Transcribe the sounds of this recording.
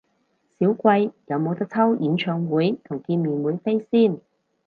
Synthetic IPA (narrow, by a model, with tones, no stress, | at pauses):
siː˨˥wkʷɐ˧jjɐ˨˧wmo˨˧wt̪ɐ˥k̚t͡sʰɐ˥wjiː˨˧nt͡ʃʰœː˨˧ŋwuː˨˥jt̪ʰʊ˨˩ŋkiː˧nmiː˨˧nwuː˨˥jfe˥jsiː˥˩n